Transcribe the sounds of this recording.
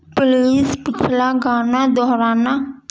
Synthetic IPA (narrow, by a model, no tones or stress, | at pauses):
pliːspɪkʰlaːɡaːnaːd̪ɔːɾaːna